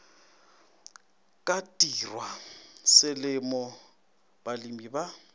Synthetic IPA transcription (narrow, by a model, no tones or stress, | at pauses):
kʼatʼirwasɪlɪmɔ | b̥alimiba